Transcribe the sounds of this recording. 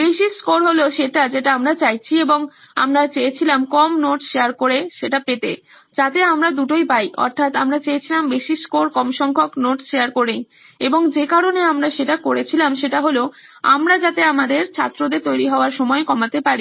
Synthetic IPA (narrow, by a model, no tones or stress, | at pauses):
bɾeʃiskoɾɦoloʃeʈad͡ʑeʈaamɾat͡ɕajt͡ɕʰieboŋ | a̰mɾat͡ɕeet͡ɕʰilamkɔmnoʈʃeaɾkoɾeʃeʈapet̪ḛ | d͡ʑat̪eamɾad̪uʈojbajʔɔ̰ɾt̪ʰat̪amɾat͡ɕeet͡ɕʰilambeʃiskoɾkɔmʃɔŋkʰoknoʈʃeaɾkoɾej | eboŋd͡ʑekaɾoneamɾaʃeʈakoɾet͡ɕʰilamʃeʈaɦoloa̰mɾad͡ʑat̪eamad̪eɾt͡ɕʰa̰t̪ːɾod̪eɾt̪ojɾiɦɔoaɾʃɔmɔekɔmat̪epaɾi